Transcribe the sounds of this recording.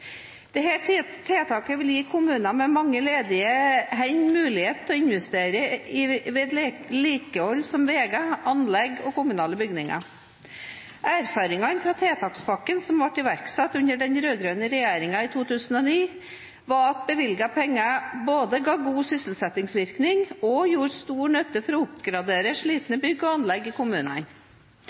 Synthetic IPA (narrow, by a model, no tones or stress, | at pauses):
d̪̥ɛɦeʈʰiːt̪ʰːeːt̪ʰɑːkəʋɪljiːkʰʊmʉːnɑmɛmɑŋːəleːd̪ɪəɦɛnmʉːlɪheːt̪ːɔɪnʋɛst̪eːɾəɪʋɛd̪lliːkəɔlːsɔmʋeːɡɑɑnlɛɡɔkʊmʉnɑːləbʏɡnɪŋɑ̰ | ʔæːɾfɑːɾɪŋɑnfɾɑːt̪ʰeːt̪ʰɑːkspɑkːənsɔmʋɑʈːɪʋæɾksɛt̪ːʉnəɖɛnɾøːɡɾøːnəɾɛjeːɾɪŋɑit̪ʰuːt̪ʰʉːsən̩ɔniː | ʋɑɾɑt̪̚bəʋɪlɡɑpʰɛŋːɑboːd̪əɡɑːɡuːsʏsəl̩sɛt̪ɪŋsʋɪɾknɪŋɔjuːɾst̪uːɳœt̪ːəfɔɾɔʊpɡɾɑd̪eːɾəʂɭiːt̪nəbʏɡːɔɑnlɛɡɪkʰʊmʉːnə̰n